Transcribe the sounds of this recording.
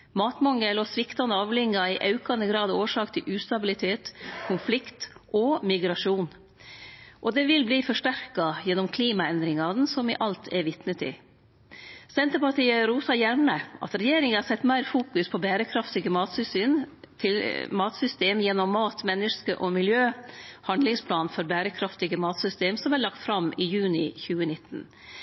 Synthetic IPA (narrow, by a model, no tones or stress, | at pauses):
mɑːt̪mɑŋːəlɔsʋɪkt̪ɑnəɑːʋlɪŋːɑɪʔɑʉkɑnəɡɾɑːd̪oːʂɑːkt̪ʰɪlʔʉːst̪ɑbɪlɪt̪ʰeːt̪kʰʊnflɪkt̪ʔɔmɪɡɾɑʂuːn | ʔɔd̪ɛʋɪlbliːfɔʂʈæɾkɑjɛnːɔmkʰliːmɑɛnd̪ɾɪŋɑn̩sɔmɪ̰ʔɑlt̪ʰɛɾʋɪt̪nət̪ɪ̰ | sɛnt̪əɾpɑʈiːəɾuːsɑjæɾɳəʔɑ̰t̪ɾɛjeːɾɪŋəhɑsɛt̪ːmæɪɾfuːkʉspʰɔbæːɾəkʰɾɑft̪ɪɡəmɑːt̪sʏsyːn | t̪ʰɪlmɑːt̪sʏst̪eːmjɛnːɔmːɑːt̪mɛnːəʂkəʔɔmɪljøːhɑnd̪lɪŋspʰlɑːnfɔɾbæːɾəkʰɾɑft̪ɪɡəmɑːt̪sʏst̪eːmsɔmæɭɑkt̪fɾɑmɪjʉːnɪçʉːənɪt̪ːn̩